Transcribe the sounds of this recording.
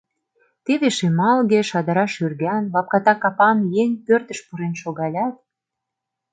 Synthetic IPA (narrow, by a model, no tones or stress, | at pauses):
t̪eβeʃemɑlɣeʃɑd̪əɾɑʃyrɣænvɑp̚kɑt̪ɑkɑpɑmjeŋʲpørt̪ə̆ʃpuɾenʃoɣɑlʲɑt̪̚